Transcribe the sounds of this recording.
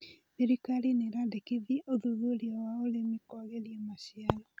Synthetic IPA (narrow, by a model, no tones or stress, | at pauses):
meɾikalineɾadekivioðuðuɾiawaolemikoɣeɾiemaɕialɔ